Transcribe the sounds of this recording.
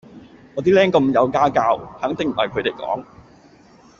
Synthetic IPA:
ŋɔː˨˧t̪̬iː˥lɛː˥ŋkɐ˧mjɐ˨˧wkaː˥kaː˧whɐ˨˥ŋt̪ɪ˨ŋm̩˨˩hɐ̰˨˩jkʰɵ˨˧t̪e˨˩jkɔ̰ː˨˥ŋ

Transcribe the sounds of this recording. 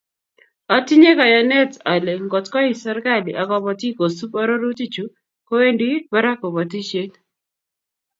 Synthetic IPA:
a˦ti˦ɲe˦ka˨jɔ˨nɛ˦ta˨le˨ŋɡɔ˨tkɔ˦i˦˨sa˦ɾka˦li˨ʔa˨kɔ˨bɔ˨ti˦ko˨su˦pɔ˦ɾo˦ɾu˦ti˦t͡ʃu˨ | ko˦we˦ndi˦ba˦ɾa˦ko˨bɔ˨ti˦ʃe˦t

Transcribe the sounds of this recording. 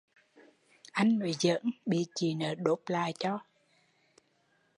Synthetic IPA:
ʔa˧jŋ̟no˨˦zə̰˧˥nɓḭ˧˨t͡ɕi˨˩nəː˨˩ɗo˨˦p̚la̰ː˨jt͡ɕɔ˧

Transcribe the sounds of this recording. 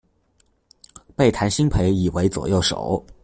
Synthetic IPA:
pe˥˩ɪt̪ʰa˧˥nɕi˥ŋpʰe˧˥ɪi˨˩we˧˥ɪt͡swɔ̰˨˩jo˥˩ʊʂo̰˨˩˦ʊ

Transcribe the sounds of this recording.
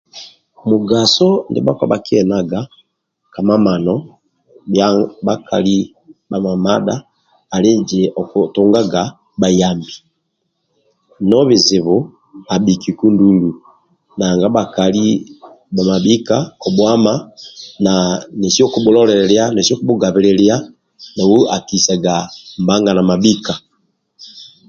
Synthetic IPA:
mu˨ɡa˨sɔ˦ndɛ̰˦ba˦ka˦ba˨ki˦ɛna˨ɡa˨ | ka˨ma˦ma˨nɔ | aba˦kʰa˨li˦ | ba˨ma˨ma˦daː˦˨ | le˦d͡ʒi˨ʔɔ˨tuŋɡa˦ɡa˨ | ba˨jambi˨ | nɔ˦βi˨zi˨βu˨ | a˨bi˨ki˨ku˦ndulu | na˨ŋɡa˦ba˨kali˦ | ba˨ma˨bi˦kaɔ˨bwa˦manane˨sjɔ˦kuɓu˦lɔ˦lɛɾɛlja˦ne˨si˦ɔ˦ku˦bu˦ɡa˨βɛ˨lɛlia˦ | na˨wu˦a˨kisa˨ɡamba˦ŋɡa˨na˨mabi˦ka˨

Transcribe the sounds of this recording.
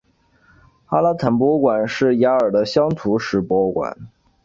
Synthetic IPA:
xa˥la˥t̪ʰa˨˩np̬wɔ˥kwa˨˩nʂɻ̩˥˩ja˧˥ə˞˨˩d̪ə˦ɕjɑ˥ŋt̪ʰu˧˥ʂɻ̩˧˥pwɔ˥kwa̰˨˩˦n

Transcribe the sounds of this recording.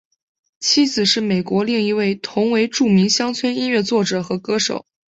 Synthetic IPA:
t͡ɕʰi˥d͡zɹ̩˨˩ʂɻ̩˥˩me˨˩ɪkwɔ˧˥li˥˩ŋi˧˥we˥˩ɪt̪ʰʊ˧˥ŋwe˧˥ɪʈ͡ʂu˥˩mi˧˥ŋɕjɑ˥ŋt͡sʰwɛ˥ni˥nɥɛ˥˧t͡swɔ˥˩ʈ͡ʂɤ˨˩xɤ˧˥kɤ˥ʂo̰˨˩˦ʊ

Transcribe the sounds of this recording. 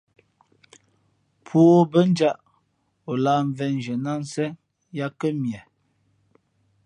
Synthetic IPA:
pʰoː˦bə˦n̩˦d͡ʒa˦ʔ | o˨laː˦ɱ̩˨vɛ˦n˨d͡ʒə˨na˦n˦sɛ˦ | ja˦kə˦mjɛ˨

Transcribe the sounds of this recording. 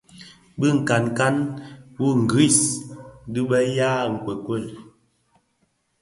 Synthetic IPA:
bɨ˦˨ŋ̩˨ka˨nka˦nwu˦ŋ̩˨ɡi˦˨s | dɨ˦ɓɛ˦jaː˦˨ŋ̩˨kwe˨kwe˦˨l

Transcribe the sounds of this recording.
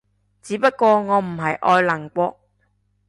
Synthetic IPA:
t͡siː˨˧˥pɐ˥t̚kɔː˧ŋɔː˨˧m̩˨˩ɦɐ˨jʔɔː˧jlɐ˨˩ŋkʷɔː˧k̚

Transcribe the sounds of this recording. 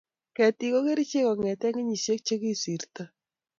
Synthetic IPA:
kɛ˨ti˨ko˦ke˦ɾi˦t͡ʃe˦kɔ˨ŋɛ˨tɛ˦ŋɪ˦ɲi˨ʃe˦k̚t͡ʃe˦ki˦si˨ɾta˦

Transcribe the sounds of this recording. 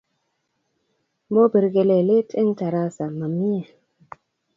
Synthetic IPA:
mo˦bi˨ɾɡe˨le˨le˦tʰe˦ŋta˨ɾa˦sa˨ma˨mi˦ja˨

